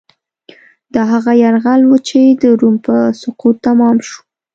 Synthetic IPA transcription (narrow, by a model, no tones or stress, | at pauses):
d̪̥ɑɦaɣajaɾɣalwut͡ʃed̪əɾumpəsʊqut̪ːamɑmʃu̥